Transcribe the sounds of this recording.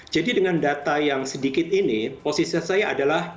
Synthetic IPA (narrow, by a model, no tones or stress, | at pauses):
d͡ʒadidəŋandat̪ajaŋsədikɪt̪iniposisasajaʔːdalah